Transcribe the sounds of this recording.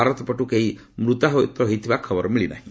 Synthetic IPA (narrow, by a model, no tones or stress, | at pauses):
aɾɔt̪ɔpɔʈukeimɾut̪aɦɔt̪ɾɔɦejt̪ʰibakʰɔbɔɾɔmiɭina̰ɦĩ